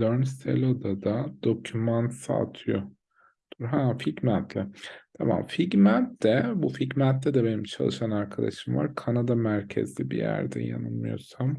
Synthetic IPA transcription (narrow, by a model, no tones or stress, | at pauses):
løɾnst̪ḛlʲod̪ad̪ad̪o̞cʰymant̪sa̰t̪ʰɯjo | d̪̥uɾɦaficmænt̪ʰlʲɪt̪ʰama̰mficmænt̪lɛbuficmænt̪ːʲɛd̪ɛbe̞nimt͡ʃʰalˠɯʃanaɾkʰad̪a̰ʃɯmva̰ɾkʰanad̪amæɾcʰḛzlʲibḭjæ̰ɾd̪ɛ̰ja̰nɯnmɯjo̞̰ɾsam